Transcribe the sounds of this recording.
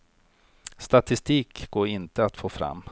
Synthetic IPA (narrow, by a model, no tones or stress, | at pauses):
st̪at̪ɪst̪iːkɡoːɾɪnt̪əat̪foːfɾa̰mː